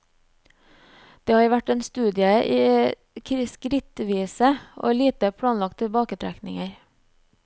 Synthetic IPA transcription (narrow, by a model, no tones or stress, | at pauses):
d̪̥eːhɑːɾʋæʈeːnst̪ʉːd̪ɪəʔiː | kʰɪskɾɪt̪ʋiːsəʔo̰ːliːt̪əpʰɽɑːnlɑk̚t̪ʰɪlbɑːkət̪ʰɾæknɪ̰ŋəɾ